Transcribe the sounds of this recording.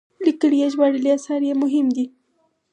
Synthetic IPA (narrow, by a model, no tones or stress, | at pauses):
likəɽijeʒwaɽiliasɑɾjemʊɦɪmd̪i